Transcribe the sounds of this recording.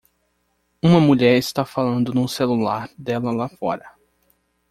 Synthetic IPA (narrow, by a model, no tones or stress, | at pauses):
ũmɐmuʎɛɾɪst̪afalɐ̃nd̪ʊnʊ̃selulaɾd̪ɛlɐlafɔ̰ɾɐ